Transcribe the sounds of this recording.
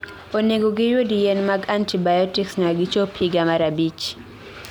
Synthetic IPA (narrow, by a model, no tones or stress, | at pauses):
oneɡoɡɪjwodijɛnmaɡantʰibajɔtiksŋaɡɪt͡ʃopʰiɡamaɾabit͡ʃ